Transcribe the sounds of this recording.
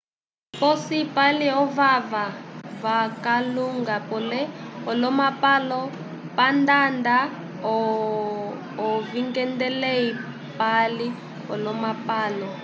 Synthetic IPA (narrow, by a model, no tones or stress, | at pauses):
pɔsipaliɦɔvavavakaluŋɡapɔlɛɔlɔmapalɔ | pandanda | ɔ | ɔviŋɡɛndɛlei | pali | ɦɔlɔmapaːlɔ